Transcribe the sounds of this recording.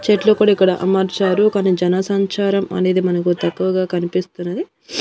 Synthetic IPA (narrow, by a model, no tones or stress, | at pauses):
t͡ʃeʈloːkuːɽaikːɐɽɐʔɐ̰mɐɾt͡ʃaːɾukaːnid͡ʒɐnɐsɐɲt͡ʃaːɾɐmɐ̰ne̞ːd̪imɐnɐkut̪ɐkːuʋɐɡaːkɐnipist̪unːɐd̪i